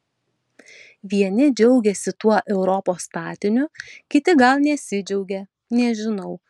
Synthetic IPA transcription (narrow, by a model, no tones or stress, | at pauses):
ʋʲiɛnʲɪd͡ʒʲɛʊɡʲɛsʲɪt̪uɔʔɛʊɾɔpoːst̪ɑːt̪ʲɪnʲʊkʲɪt̪ʲɪɡɐlˠnʲɛsʲɪd͡ʒʲɛʊɡʲɛ | nʲɛʒʲɪnɐʊ